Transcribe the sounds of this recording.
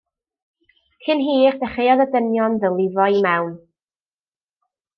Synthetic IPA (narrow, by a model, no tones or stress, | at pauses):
hɨnɦiːχdɛχejɔðədənjɔnðəlˠɪvɔimawn